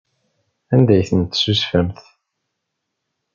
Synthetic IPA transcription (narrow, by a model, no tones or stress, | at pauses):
ænd̪æjθənt̪susfəmθ